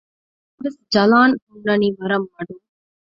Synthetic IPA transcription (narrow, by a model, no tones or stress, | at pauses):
ɾɐsd͡ʒɐlaːnʊɳːɐniʋɐɾɐmaːɽɯm